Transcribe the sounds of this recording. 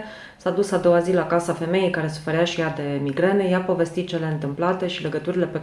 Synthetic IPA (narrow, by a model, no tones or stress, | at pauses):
sad̪usad̪o̞wazilakasafe̞me̞jejkaɾe̞su̥fe̞ɾaʃijad̪e̞miɡɾenejapo̞ve̞st̪it̪̚t͡ʃe̞le̞ɨnt̪ɨmplat̪e̞ʃile̞ɡət̪uɾile̞pe̞